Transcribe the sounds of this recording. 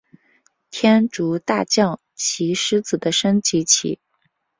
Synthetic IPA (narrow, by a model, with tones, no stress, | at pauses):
t̪ʰjɛ˥nʈ͡ʂu˧˥t̪a˥˧t͡ɕjɑ˥˩ŋ | t͡ɕʰi˧˥ʂɻ̩˥t͡sɹ̩˨˩d̪ə˦ʂə˥ŋt͡ɕi˧˥t͡ɕʰḭ˨˧˩